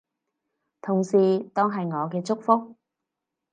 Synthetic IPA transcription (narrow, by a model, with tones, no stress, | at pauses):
t̪ʰʊ˨˩ŋsiː˨t̪ɔː˥ŋɦɐ˨jŋɔː˨˧kɛː˧t͡sʊ˥k̚fʊ˥k̚